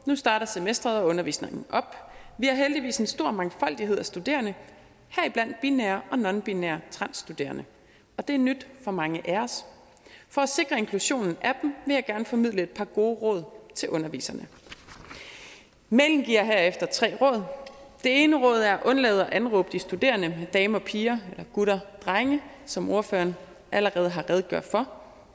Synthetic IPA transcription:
nusd̥ɑ̈ːɾ̥ɐsemesd̥ʁɐðˠɒ̽ɔ̽nɐʋḭːsne̝ŋn̩ʔɒ̽b̥ʋihɑ̈ɦeld̥iʋḭːse̝nsd̥o̝ɐ̰mɑ̈ŋfɒ̽l̰d̥iɦe̝ð̞̰ˠæsd̥ud̥e̝̰ːɐnə | hæɐ̰iblæn̰d̥̚b̥ineːɐʔɒ̽nɒ̽nb̥ineɐt͡sʰʁɑ̈n̰sd̥ud̥e̝̰ːɐnə | ɒ̽d̥e̝æɐnyd̥fɒ̽mɑ̈ŋəʔæɐs | fɒ̽æse̝ɡ̥ʁɐe̝nkʰluɕo̝̰ːnn̩ʔæd̥m̩ʋe̝jɑ̈ɪɡ̥æɐnəfɒ̽mið̰ˠləe̝d̥̚pʰɑ̈ɡ̥o̝ːʁɔ̰ːð̞ˠt͡sʰe̝lʔɔ̽nɐʋḭːsɐnə | meln̩ɡ̥iɐ̰ɦæɐ̰efd̥ɐt͡sʰʁɛ̰ːʁɔ̽ːð̞ˠd̥e̝e̝ːnəʁɔ̽ːð̞̰ˠæɐæʔɔ̽nlɛ̰ːð̞̩ˠɒ̽ʔænʁɔ̽ːb̥əd̥isd̥ud̥e̝̰ːɐnəmed̥ɛːmɒpʰiːɐelɐɡ̥uɾɐd̥ʁaɪŋə | sɒ̽mo̝ɐføɐn | ʔæləʁɛːð̞̩ˠɦɑ̈ʁɛːð̞ˠɡ̥jɶɐ̰d̥fɒ̽

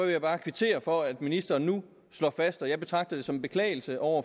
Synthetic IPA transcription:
ejɑ̈b̥ɑ̈ːkʰʋit͡sʰe̝̰ːɐfɒ̽æd̥minisd̥ɐːnːu | slɒ̰ːfæsd̥ɒjɑ̈ɪb̥e̝t͡sʰʁɑ̈ɡ̥̚d̥əðd̥e̝sɒ̽mb̥e̝kʰlɛ̰ːɪl̩səʔɒʊ̰ɐ

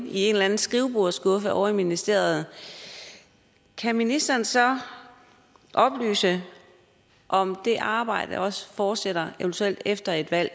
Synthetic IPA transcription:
ie̝ːnlæn̩sɡ̥ʁiʊb̥oɐ̰sɡ̥ɔ̽fəʔɒʊɐiminisd̥e̝̰ɐð̩ˠ | kʰæminisd̥ɐːnsɒ̽ | ʔɒ̽b̥ly̰ːsə | ʔɒ̽md̥e̝ʔɑ̈ːb̥ɑ̈ɪ̰d̥əʔɒ̽sə̥fɒːd̥seɾ̥ɐeʋənt͡sʰuel̰d̥efd̥ɐe̝d̥ʋæl̰

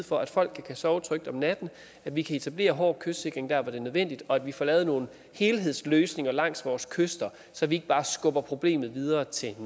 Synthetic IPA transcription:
fɒ̽æd̥fɒ̽l̰ɡ̥kʰːækʰæsɒʊt͡sʰʁœɡ̥d̥ɒ̽mnæd̥n̩ | æd̥ʋikʰæe̝t͡sʰæb̥le̝̰ːɐɦɒ̰ːkʰøsd̥se̝ɡ̥ʁeŋd̥æɐʋɒd̥e̝nøð̞ˠʋen̰d̥id̥ɒ̽æd̥ʋifɒlɛːð̞̩ˠno̝ːn̩ | he̝ːlɦe̝ð̞̰ˠsløːsne̝ŋɐlɑ̈ŋ̰sʋɒːskʰøsd̥ɐ | sɒ̽ʋie̝ɡ̥əb̥ɑ̈ːsɡ̥ɔ̽b̥ɐpʰʁo̝b̥le̝̰ːmð̩ˠʋið̞ˠɐːt͡sʰe̝n

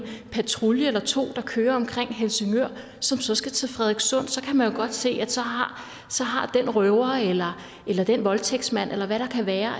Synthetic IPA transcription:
pʰæt͡sʰʁuljəelɐt͡sʰo̝̰ːd̥ɑ̈kʰøːɐɒ̽mkʰʁeŋ̰ɦelsəŋøɐ̰ | sɒ̽msɒ̽sɡ̥æt͡sʰe̝fʁɛðˠeɡ̥sɔ̽n̰sɒ̽kʰæmænjo̝ɡ̥ɒ̽d̥se̝̰ːæ̥sɒ̽ɦɑ̈ | sɒ̽ɦɑ̈d̥enʁœʊɐelɐ | ʔelɐd̥enʋɒ̽lt͡sʰeɡ̥smæn̰ʔelɐʋæɾ̥ɑ̈kʰæʋæːɐ

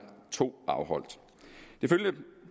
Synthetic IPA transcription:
t͡sʰo̝̰ːɑ̈ʊɦɒ̽l̰d̥ | d̥e̝føljə

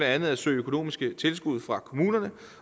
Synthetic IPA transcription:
ɾeænð̩ˠæsø̰ɪøkʰo̝no̝̰ːmisɡ̥ət͡sʰe̝lsɡ̥uð̞ˠfʁɑ̈kʰo̝muːnɐnə

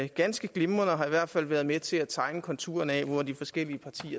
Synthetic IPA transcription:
ɡ̥ænsɡ̥əɡ̥le̝mɐnɒɦɑ̈iʋæɐ̰d̥fæl̰ˠʋæːɐð̞̩ˠmet͡sʰe̝læt͡sʰɑ̈ɪnəkʰɒ̽nt͡sʰu̝̰ːɐnɛ̰ʋɒd̥ifɒ̽sɡ̥el̰iəpʰɑ̈t͡sʰḭːɐ

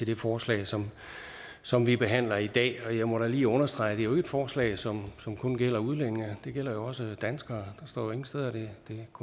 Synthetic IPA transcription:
t͡sʰe̝ld̥e̝fɒːslɛ̰ɪsɒ̽m | sɒ̽mʋib̥e̝ɦæn̰lɐid̥ɛ̰ːɒ̽jɑ̈ɪmɒ̽ɾæliːɔ̽nɐsd̥ʁɑ̈ɪ̰d̥e̝æjoe̝ɡ̥ed̥fɒːslɛ̰ɪsɒ̽msɒ̽mkʰɔ̽nɡ̥el̰ɐuð̞ˠlen̰eŋɐd̥e̝ɡ̥el̰ɐjoɒ̽səd̥ænsɡ̥ɐːd̥ɑ̈sd̥ɒ̰ːjoe̝ŋn̩sdeð̞ˠɐd̥e̝d̥e̝kʰ

